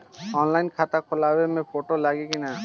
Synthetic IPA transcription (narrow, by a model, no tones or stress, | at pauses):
ɔnlajnkʰat̪akʰolabemẽpʰoʈolaɡekina